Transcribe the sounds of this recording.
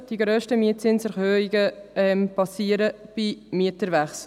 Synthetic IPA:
d̥iɡɾøːʃtəmiət̚t͡sɪnsæɾhøːiɡəɛmpɑsiːəɾəb̥imiətəɾʋæχs

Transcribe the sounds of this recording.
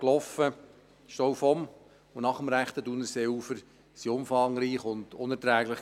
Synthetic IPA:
klɔfə | ʃtowfɔm | ʊnɑχəmɾæχt̪ədunəseufəɾ | siʊmfɑŋɾiːχʊnd̥ʊnɛɾtɾæːɡlɪχ

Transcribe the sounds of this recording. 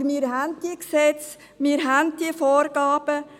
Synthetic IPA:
ɾmiːɾɦænt̚d̥iəksɛt͡s | miːəɾɦænddiəfoːɾɡɑːb̥ə

